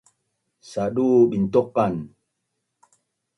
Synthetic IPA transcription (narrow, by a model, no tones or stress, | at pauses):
saɗuɓintokːan